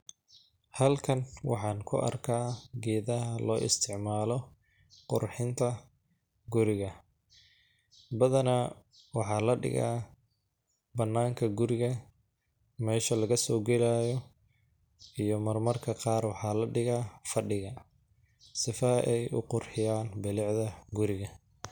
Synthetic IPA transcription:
hɐlkʰɐnwɑ̰ħɑːnkʰʊ̰ʔɐ̰rkʰaːɡɛːðɐɦɐlɔːʔɪ̰st̪ʰɪʕmaːlɔ | qʊ̰rħɪnt̪ʰɐ | ɡʊɾɪɣɐ | bɐðɐnɐ | wɑħɑːlɐɖɪ̰ɣa̰ː | bɐnːaːŋkʰɐɡʊɾɪɣɐ | mɛːʃɐlɐɣɐsɔːɡɛlaːjɔ | ʔijɔmɐrmɐrkʰɐqɑːrwɑħɑːlɐɖɪɣaːfɐɖɪɣɐ | sɪfɐʔɛjʔʊ̰qʊrħɪjaːnbɪlɪʕðɐɡʊɾɪɣɐ

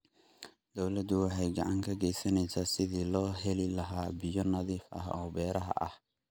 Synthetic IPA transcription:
d̪̥ɔwlɐd̪ʊwɑħɑjɡɑ̰ʕɑŋkʰɐɡɛjsɐnɛjsaːsɪðiːlɔːɦɛlɪlɐɦaːbɪjɔnɐðiːfʔɐ̰hɔːbɛːɾɐɦɐ̰ʔɐ̰h

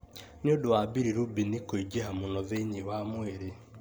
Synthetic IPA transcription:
niodowabiɾiɾubinikoid͡ʒeɦamunɔðeɲiwamweɾe

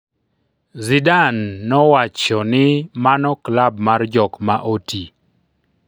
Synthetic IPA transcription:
zidanːɔwat͡ʃɔnɪmanɔklabmard͡ʒɔkmaʔoti

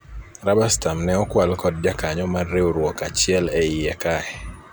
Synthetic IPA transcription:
ɾabastamnɛɔkwalkɔd̚d͡ʒakaɲɔmarːeuɾwɔkat͡ʃɪɛlɛijɛkaɛ

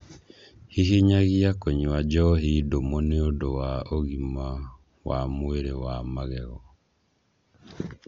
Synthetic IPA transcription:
hiɦiɲaɣiakoɲuad͡ʒɔɦidomoneodowaoɣima | wamoeɾewamaɣɛɣɔ

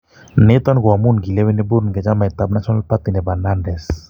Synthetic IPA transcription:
net̪ɔnɡwamunɡilewenebuɾnɡɛd͡ʒamajt̪ab̚nasɔnalpat̪inɛbananɾɛs

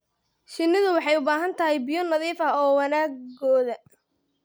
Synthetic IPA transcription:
ʃɪnːɪðʊwɑħɑjʊbaːɦɐnt̪ʰɐɦɛjbɪjɔnɐðiːfɐɔːwɑnaːɡɡɔːðɐ

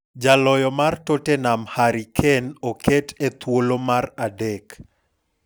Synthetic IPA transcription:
d͡ʒalɔjɔmartotenamhaɾikʰenokʰetet̪wolomaɾadek

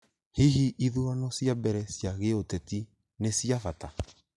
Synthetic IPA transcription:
hiɦiʔːðuanɔsjabɛɾɛsjaɣeotɛti | nesiavata

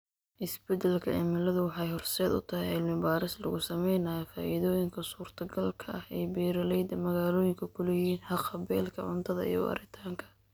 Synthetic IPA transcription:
ʔɪsbɛd̪ɛlkʰɐʔɪmɪlɐðʊwɑħɑjhɔrsɛːd̪ʊ̰t̪ʰɐɦɛɪlmɪbaːɾɪslɐ̰ɣʊsɐmɛjnaːjfaːʔɪðɔːjɪŋkʰɐsuːrt̪ʰɐɡɐlkʰɐʔɐhɛːjbɛːɾɐlɛjd̪ɐmɐɣaːlɔːjɪŋkʰɐkʰʊlɛjhiːnħɑqɐbɛːlkʰɐʕʊnt̪ʰɐðɐ̰ḭjɔ̰wɐ̰ɾɪt̪ʰaːŋkʰɐ̥

